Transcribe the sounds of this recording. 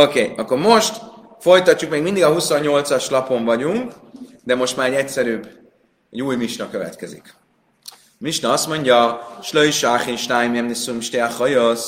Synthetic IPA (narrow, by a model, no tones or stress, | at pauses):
okeːɒkːo̞ɾmo̞ʃt̪ | fo̞jt̪ɒcːukmeːɡmind̪iɡɒɦuso̞ɲːo̞lt̪sɒʃlɒpo̞ɱvɒɟuŋk | d̪ɛmo̞ʃt̪maːɾɛɟɛcsɛɾyb | ɛɟuːjmiʃnɒkøvɛ̰t̪kɛzḭk | miʃnɒɒst̪mo̞ɲɟɒʃløjʃaːχimʃnaːjmɛmnisumʃt̪eaχojos